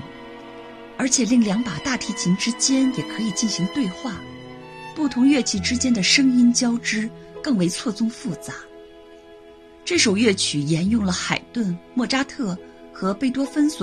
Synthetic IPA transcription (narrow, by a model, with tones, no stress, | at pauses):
ə˞˧˥t͡ɕʰjɛ˨˩li˥˩ŋljɑ˧˥ŋpa˨˩t̪a˥˩t̪ʰi˧˥t͡ɕʰi˧˥ŋʈ͡ʂɻ̩˥t͡ɕjɛ˥njɛ˨˩kʰɤ˧˥i˨˩t͡ɕi˥˩nɕi˧˥ŋt̪we˥˧ɪxwa˥˩ | pu˥˩t̪ʰʊ˧˥ŋɥɛ˥˩t͡ɕʰi˨˥˩ʈ͡ʂɻ̩˥t͡ɕjɛ˥nd̪ə˨ʂɤ˥ŋi˥nt͡ɕjɑ˥ʊʈ͡ʂɻ̩˥ | kɤ˥˩ŋwe˧˥ɪt͡sʰwɔ˥˩t͡sʊ˥ŋfu˥˩t͡sa˧˥ | ʈ͡ʂɤ˥˩ʂo˨˩ʊɥɛ˥˩t͡ɕʰy˨˩jɛ˧˥njʊ˥˩ŋlə˩xa˨˩ɪt̪wə˥˧nmwɔ˥˩ʈ͡ʂa˥t̪ʰɤ˥˩ | xɤ˧˥pe˥˩ɪt̪̬wɔ˥fə˥nswɔ˨˩